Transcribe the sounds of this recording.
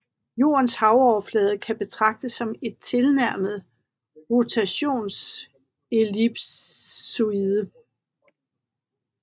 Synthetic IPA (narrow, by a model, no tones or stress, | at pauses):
jo̝̰ːɐnshɑ̈ʊɒʊɐflɛːð̞ˠəkʰæb̥e̝t͡sʰʁɑ̈ɡ̥̚d̥əsːɒ̽me̝d̥̚t͡sʰe̝lnæɐ̰məð̩ˠ | ʁo̝t͡sʰæɕo̝̰ːns | e̝lib̥ː | uiðˠə